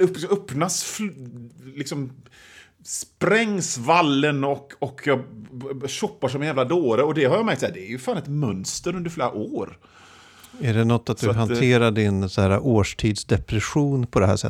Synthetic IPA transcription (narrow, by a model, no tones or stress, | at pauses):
œpːnasf | lɪksɔm | spɾɛŋːsvalːənɔkɔkʰjɑ | ɕɔpːaʂ̬ɔmɛnjæːvlad̪oːɾəɔd̪ɛɦaɾjɑːmæɾkt̪sæːɖd̪ɛæɾjɵfaːnɛt̪mœnst̪əɾɵnd̪əɾfleːɾa̰ʔoːɾ | æɖɛnɔt̪ːat̪̚d̪ɵɦant̪ʰeːɾaɖːɪnsaæːɾaʔoːʂʈʰiːd̪sd̪ɛpɾɛɧuːnpʰɔd̪ɛɦæ̰ːʂɛ̰